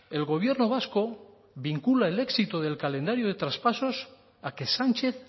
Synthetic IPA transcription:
e̞lɣ̞o̞β̞je̞ɾno̞β̞asko̞ | βiŋkulaele̞ksit̪oð̞e̞lkalẽ̞nd̪aɾjoðe̞t̪ɾaspaso̞s | ake̞sant͡ʃe̞θ

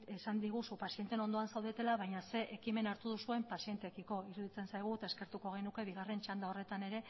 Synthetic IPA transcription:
esand̪iɣ̞usupasient̪e̞no̞nd̪o̞ansawðet̪e̞laβajɲase̞ʔekime̞naɾt̪uð̞usue̞mpasie̞nt̪e̞kiko̞iɾuðit͡se̞nsajɣ̞uet̪ae̞ske̞ɾt̪uko̞ɣ̞e̞nuke̞βiɣ̞are̞nt͡ʃand̪aore̞t̪ane̞ɾe̞

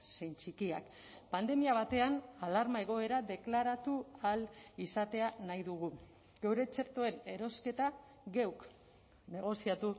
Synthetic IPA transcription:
se̞jnt͡ʃikia̰k | pand̪e̞miaβ̞at̪e̞analaɾmae̞ɣ̞o̞e̞ɾaðe̞klaɾat̪ualisat̪e̞anajðuɣ̞u | ɡe̞wɾe̞t͡se̞ɾt̪o̞e̞ne̞ɾo̞ske̞t̪a | ɡewk | ne̞ɣ̞o̞siat̪u

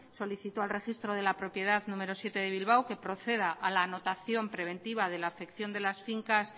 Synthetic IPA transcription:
so̞liθit̪oalre̞xist̪ɾo̞ðe̞lapɾo̞pje̞ð̞aðnũme̞ɾo̞sje̞t̪e̞ð̞e̞β̞ilβ̞awke̞pɾo̞θe̞ð̞aʔalaːno̞t̪aθjo̞mpɾe̞β̞e̞nt̪iβ̞aðe̞laːfe̞kθjo̞nd̪e̞lasfiŋkas

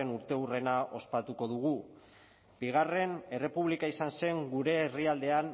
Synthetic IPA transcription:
enuɾt̪e̞ure̞naʔo̞spat̪uko̞ðuɣ̞u | biɣ̞are̞ne̞re̞puβlikaisanse̞ŋɡuɾe̞ːriald̪e̞an

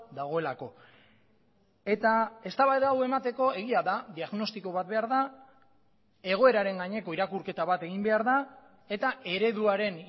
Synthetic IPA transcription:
d̪aɣ̞o̞e̞lako̞ | e̞t̪ae̞st̪aβajðawe̞mat̪e̞ko̞e̞ɣ̞iaðaðiaɣno̞st̪iko̞βat̪̚be̞aɾða | e̞ɣ̞o̞e̞ɾaɾe̞ŋɡaɲe̞ko̞iɾakuɾke̞t̪aβat̪e̞ɣimbe̞aɾða | e̞t̪ae̞ɾe̞ðuaɾe̞n

